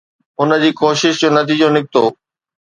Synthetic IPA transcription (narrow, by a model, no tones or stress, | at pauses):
ʊnə̆d͡ʑiːkoːʃɪʃd͡ʑoːnɐt̪iːd͡ʑõnɪk̚t̪oː